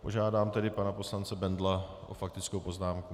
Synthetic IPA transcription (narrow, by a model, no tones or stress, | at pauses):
po̞ʒaːdaːmt̪ɛdɪpanapo̞slant͡sɛbɛndlaʔo̰fak̚t̪ɪt͡skowpo̞znaːmku